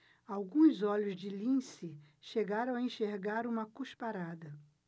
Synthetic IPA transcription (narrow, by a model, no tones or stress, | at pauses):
awɡũzɔʎʊzd͡ʒɪlĩsɪ | ʃeɡaɾɐ̃w̃ẽʃeɾɡaɾũmɐkuʃpaɾad̪ɐ